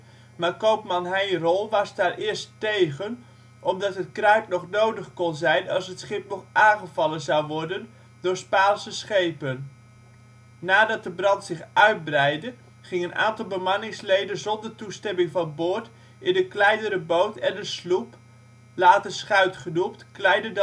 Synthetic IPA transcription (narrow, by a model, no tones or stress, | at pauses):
maːkowpmɑnɦɛjrɔlˠʋɑsdaːrɪːɹstejɣən | ʔɔmdɑtɦət̚krœɥpnɔχnowdəχkɔnzɛjnɑlˠsɦətsχɪp̚nɔχʔaːnχəvɑlˠənzɑwʋɔɹdən | dʊːɹspaːlsəsχejpən | aːdɑt̚dəbrɑntsɪχœɥd̚brɛjdə | χɪŋənʔa̰ːntɑlˠbəmɑnɪŋslejdənzɔndərtustɛmɪŋvɑnboɹt | ɪndəklɛjdəɾəbowtɛndəslup | laːtəsχœɥtχənuptklɛjdəd